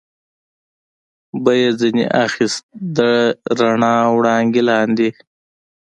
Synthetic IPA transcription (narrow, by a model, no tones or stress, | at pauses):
bəjezinḛʔaxist̪̚d̪əɾaɳɑːwɽɑːŋɡilɑːnd̪i